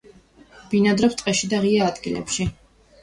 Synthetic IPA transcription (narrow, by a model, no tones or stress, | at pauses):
b̥inad̪ɾɛpst̪ʼqʼɛʃid̪aʁiaːd̪ɡilɛ̰pʃi